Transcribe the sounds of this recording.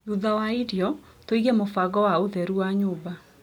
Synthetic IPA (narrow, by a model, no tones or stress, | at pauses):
juðawaidjɔ | toiɣɛmofaɡɔwaoðɛɾuaɲoːba